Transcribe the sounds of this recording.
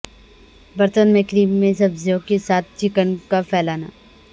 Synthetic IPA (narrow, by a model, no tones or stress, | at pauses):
bɐɾt̪ənmẽkɾiːmẽsɐbzokesaːt̪̚ʰt͡ʃɪkənkafʰɛːlaːna̰ː